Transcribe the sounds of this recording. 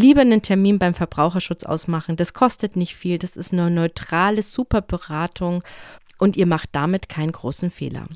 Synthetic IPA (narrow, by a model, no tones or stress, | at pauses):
liːbənəntʰɛɐmiːnbaɪmfɛɐbʁaʊxɐʃʊt͡sʔa̰ʊsmaχn̩daskʰɔstətnɪçtfiːld̥asɪstnɔnɔʏtʁ̥aːləz̥uːpɐbəʁaːtʰʊŋ | ʔʊntiːɐmaχt̚d̥amɪtkʰaɪnənɡʁoːsn̩fḛːlɐ̰